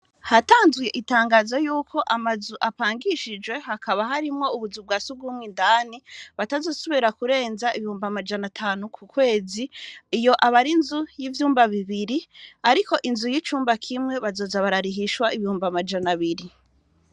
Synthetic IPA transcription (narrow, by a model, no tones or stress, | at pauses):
hataːnzujeʔitaːŋɡaːzojuːkʰo̞ʔamazuʔapaːŋɡiʃid͡ʒwe̞hakʰaβaɦaɾimŋo̞uβuzub̚ɡaːsuɡumŋwindaːniβatazo̞ːsoβiɾakuɾe̞ːnzaiβihuːmbamad͡ʒanatʰaːnukʰukwe̞ːziːjo̞ʔaβaɾinzujivjuːmbaβiβiɾiaɾiko̞ʔinzujit͡ʃuːmbakʰimŋe̞βazo̞ːzaβaɾaɾiɦiʃwaiβihuːmbamad͡ʒanaβiɾi